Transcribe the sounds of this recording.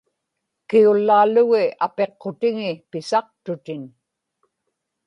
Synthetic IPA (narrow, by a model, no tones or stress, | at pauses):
kiulːaːlʊɣɪape̞qːot̪ɪŋɪpɪsɑq̚t̪ʊt̪ɪn